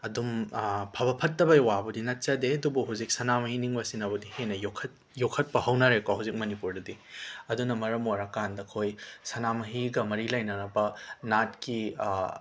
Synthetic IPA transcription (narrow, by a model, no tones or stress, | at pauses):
ɐdumpʰɐbɐpʰɐtːɐbɐjwabɐdinɐt̚t͡ʃɐdeɐdubuɦuzik̚sɐnamɐhiniŋbɐsinɐbɐdihenɐjokʰɐt̚ | jokʰɐt̚pɐhɐwnaɾekaɦawzik̚mɐnipuɾdɐdiɐdunɐmɐɾɐmoɾɐkandɐkʰojsɐnamɐɦiɡɐmɐɾilɐjnɐnɐbɐnat̚ki